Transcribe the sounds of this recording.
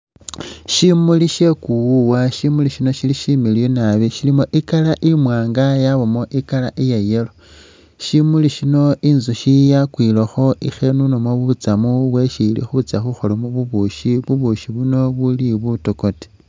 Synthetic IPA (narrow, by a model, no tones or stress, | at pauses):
ʃimuliʃe̞kuwuwaʃimuliʃino̞ʃiliʃimiljonaβiʃilimo̞ʔikalaʔimwaːŋɡajaβomo̞ʔikala̰ʔijejelo | ʃimuliʃino̞inzuʃijakwiːloxo̞ʔḭxe̞nunomwaβuut͡samuβweʃilḭxut͡saxuxo̞lomuβuβuʃiβuβuʃiβuno̞βuliβutoko̞te̥